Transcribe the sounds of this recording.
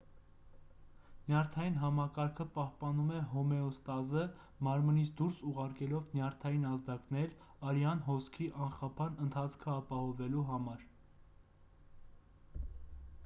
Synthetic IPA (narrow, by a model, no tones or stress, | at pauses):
njɑɾt̪ʰɑjin̪ɦɑmɑkɑɾkʰəpɑhpɑnumɛɦɔmɛɔst̪ɑzə | mɑɾmənit͡sʰd̪uɾsuʁɑɾkɛlɔvnjɑɾt̪ʰɑjinɑzd̪ɑknɛɾ | ɑɾjɑnɦɔskʰiʔɑnχɑpʰɑnənt̪ʰɑt͡sʰkʰəɑpɑhɔvɛluɦɑmɑɾ